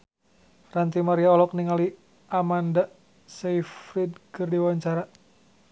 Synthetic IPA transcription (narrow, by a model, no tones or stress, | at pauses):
rant̪imaɾiaɔlɔk̚niŋali | ʔamanda | saifɾid̚kɨrdiwaɲt͡ʃaɾa